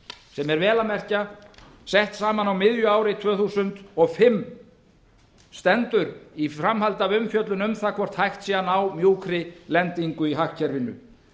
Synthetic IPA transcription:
sɛmɛɾvɛːlamɛr̥ca | sɛht̪saːmanawmɪðjʏaːwɾɪt̪ʰvœːθusʏnt̪ɔɣfɪmː | st̪ɛnt̪ʏɾifɾamhalt̪avʏmfjœt̪lʏnʏmθakʰvɔr̥t̪hajxt̪siːanawmjuːwkɾɪlɛnt̪iŋkʏiɦahtcʰɛɾvɪnːʏ̰

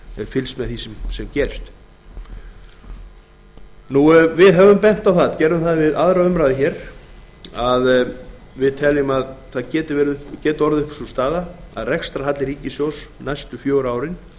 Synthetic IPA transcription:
ɛɾfɪlsmɛðθisɛmsɛmcɛːɾɪst̪ | nuvɪðɦɛvʏmpɛn̥t̪awθaðcɛːɾʏmθaðvɪðaðɾaʏmɾaːðɪçɛːɾ̥ | að | vɪðt̪ʰɛlɪmaðθaðcɛːt̪ɪvɛɾɪʏpcɛːt̪ʏɔɾðʏhpsust̪aːðaa̰ðrɛkst̪ɾaɦat̪lɪɾiːcɪsjowsnajst̪ʏfjoːwɾaːwɾɪn

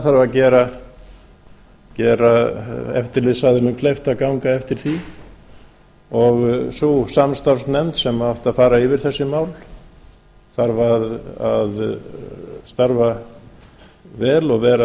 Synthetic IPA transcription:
θaɾvaðcɛːɾa | cɛːɾaɛ̰ft̪ɪɾlɪsaðɪnʏmkʰlejft̪akawŋkaɛft̪ɪɾ̥θi | ɔɣsusamst̪avsnɛmt̪sɛmaaht̪aðfaːɾaɪvɪɾ̥θɛsːʏmaːwl | θaɾvaða̰ð | st̪aɾva | vɛːlɔɣvɛːɾa

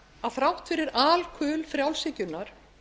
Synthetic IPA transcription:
aðθɾawht̪fɪɾɪɾaːlkʰœːlfɾjawlsɪcʏnːaɾ̥

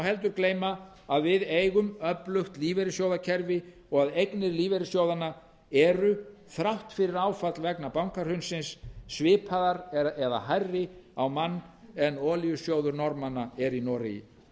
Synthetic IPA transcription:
whɛlt̪̬ʏɾkleːjma | aðvɪðejɣʏmœplʏxt̪liːvɛɾɪsjowðacʰɛɾvɪ | ɔɣaðejknɪɾliːvɛɾɪsjoːwðana | ɛɾʏ | θɾawht̪fɪɾɪɾaːwfat̪lvɛknapawŋkaɾ̥hʏnsɪnsːvɪːpʰaðaɾɛða̰hajrːɪawmanːɛnɔːlijʏsjowðʏɾnɔɾmanaɛɾinɔːɾɪjɪ̰

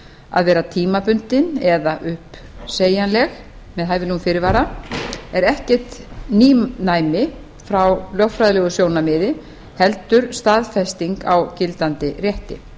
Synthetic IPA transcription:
a̰ðvɛːɾat̪ʰiːmapʏn̥t̪ɪnɛðaʔʏhp | seːjanlɛx | mɛðɦaːjvɪnumfɪːɾɪɾvaːɾaɛɾɛhcɛ̥t̪niːnaːjmɪ | fɾawlœxtfɾajðɪlɛːɣʏsjoːwnamɪːðɪ | hɛlt̪ʏɾ̥st̪aːðfɛst̪iŋkawcɪlt̪ant̪ɪrjɛht̪ɪ̰

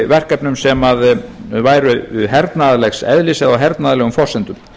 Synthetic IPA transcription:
vɛr̥kɛpnʏmsɛmaðvaːjɾʏʏɦɛɾt̪naðalɛxsɛ̰ðlɪsɛðawɦɛɾt̪naðalɛːɣʏmfɔrsɛnt̪ʏm

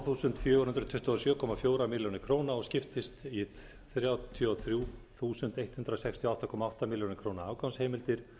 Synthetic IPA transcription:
θuːsʏnt̪fjœːɾhʏnt̪ɾt̪ʰʏht̪ʏɔsjœːkʰɔːmafjoːwɾamɪljownɪkʰɾoːwnaɔɣscɪft̪ɪst̪i | θɾjawt̪ʰiɔθɾjuːθuːsʏnt̪ejt̪hʏnt̪ɾasɛkst̪ʰiɔaht̪akʰɔːmaawht̪amɪljownɪkʰɾownaaːwkawnsheːjmɪlt̪ɪɾ̥

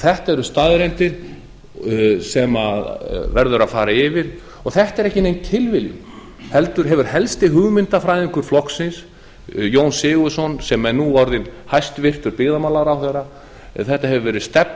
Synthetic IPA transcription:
θɛht̪aɛɾʏst̪aðɾejnt̪ɪɾ̥ | sɛmaðvɛɾðʏɾafaːɾaɪvɪɾ | ɔɣθɛht̪ɛɾɛhcɪnejncʰɪlvɪljʏ̰ | hɛlt̪ʏɾ̥ɦɛvʏɾ̥hɛlst̪ɪɦʏɣmɪnt̪afɾaːjðɪŋkʏɾ̥flɔhksɪns | joːwnsɪːɣʏsɔnsɛmɛnːuɔɾðɪnhajst̪vɪr̥t̪ʏɾpɪɣðamawlaɾawθɛɾa | ɛθɛht̪aɦɛvʏvɛːɾɪðst̪ɛp̚

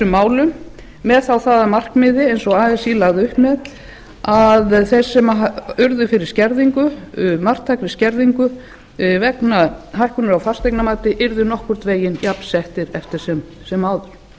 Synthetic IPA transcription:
ʏmːaːwlʏm | mɛðθawθaːðamar̥kmɪðɪejnsɔɣaːðɛsilaɣðɪʏhpmɛð | aðθɛ̥sɛmaʏɾðʏfɪɾɪɾ̥scɛɾðiŋkʏmar̥t̪ʰajknɪscɛɾðiŋkʏ | vɛknaɦajhkʏnʏɾawfast̪ejknamaːt̪ɪʔɪɾðʏnɔhkvʏɾ̥t̪veːjɪnjapn̥sɛht̪ɪɾɛft̪ɪɾ̥sɛmsɛmːaːwðʏɾ̥

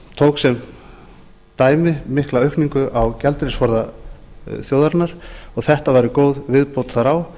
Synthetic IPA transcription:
t̪ʰowksɛm | t̪aːjmɪmɪhklaœɥhkniŋkʏʔawcɛlt̪ɾɪsfɔɾða | θjowðaɾnaɾ̥ɔɣθɛht̪avaɾɪkoːwðvɪðpowt̪θaɾaw

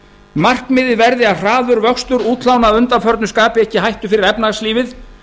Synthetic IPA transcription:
mar̥kmɪːðɪvɛɾðɪaðr̥aːðʏɾvœkst̪ʏɾuːt̪ʰlawnaːvʏnt̪afœɾt̪nʏskaːpɪɛhcɪɦajht̪ʏfɪɾɪɾɛpnasliːvɪð

